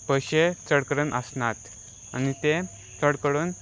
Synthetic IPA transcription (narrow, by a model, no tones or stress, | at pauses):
pəɕet͡səɽkəɾənʔəsnat̪ | anit̪e | t͡səɽkəɽuːn